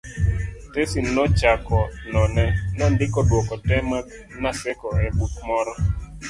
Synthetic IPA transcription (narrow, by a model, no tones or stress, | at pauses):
tesinːɔt͡ʃakɔnɔnɛnɔndɪkɔdwɔkɔtɛma | nasɛkɔɛbutmɔɾɔ